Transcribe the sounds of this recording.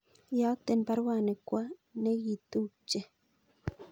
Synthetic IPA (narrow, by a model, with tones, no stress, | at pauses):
ja˨˦t̪e˨npa˦ɾwa˨ne˨kwa˦ne˦ɣi˨t̪u˦t͡ʃːe˦